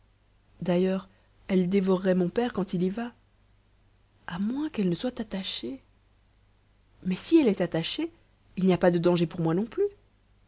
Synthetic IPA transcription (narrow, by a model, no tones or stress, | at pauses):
d̪ajœːʁ | ɛld̪evɔʁːɛmɔ̃pɛʁkɑ̃t̪iliva | amwɛ̃kɛlnəswat̪at̪aʃe | mɛsiɛlɛt̪at̪aʃe | ilnijapad̪əd̪ɑ̃ʒepuʁmwanɔ̃ply